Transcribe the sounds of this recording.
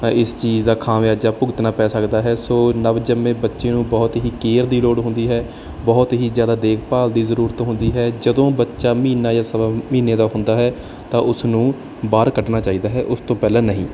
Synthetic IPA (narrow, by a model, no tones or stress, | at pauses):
ɪst͡ʃiːzd̪aːkʰãːʋjaːd͡ʒaːpʊɡɪt̪naːpɛːsəkd̪aːɦɛːsoːnəʋd͡ʒəmẽːbətːʃeːnũːbɔːt̪ɦiːkeːɾd̪iːloːɽɦʊ̃nd̪iːɦɛː | bɔːt̪ɦiːzjaːd̪aːd̪eːkʰpaːld̪iːzəɾuːɾət̪ɦʊ̃nd̪iːɦɛːd͡ʒəd̪õːbətːʃaːmiːnaːjaːsəbaːmiːneːd̪aːɦʊnd̪aːɦɛː | t̪ãːʔʊsnũː | baːɾkəʈnaːt͡ʃaːiːd̪aːɦɛːʔʊst̪õːpɛːlẽːnəɦĩː